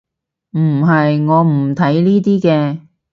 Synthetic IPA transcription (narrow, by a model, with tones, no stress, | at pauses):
m̩˨˩ɦɐ˨jŋɔː˨˧m̩˨˩t̪ʰɐ˨˥jliː˥t̪iː˥kɛː˧